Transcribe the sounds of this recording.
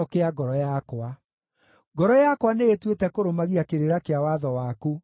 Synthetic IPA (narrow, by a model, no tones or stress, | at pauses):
ɔkeaɡɔɾɔjakwa | ɡɔɾɔjakwanejetwetɛkoɾomaɣiakeɾeɾakeawaðɔwaku